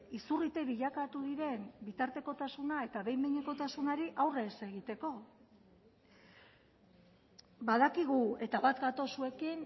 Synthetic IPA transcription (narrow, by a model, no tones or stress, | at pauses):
isurit̪e̞βiʎakat̪uðiɾe̞nbit̪aɾt̪e̞ko̞t̪asunae̞t̪aβe̞jmiɲeko̞t̪asunaɾiʔawre̞se̞ɣ̞it̪e̞ko̞ | baðakiɣue̞t̪aβat̪ɡat̪o̞sue̞kin